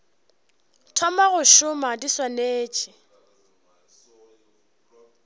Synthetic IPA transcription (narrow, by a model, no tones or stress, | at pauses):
tʰɔmaɣʊʃʊmadiswaneːt͡ʃʼɪ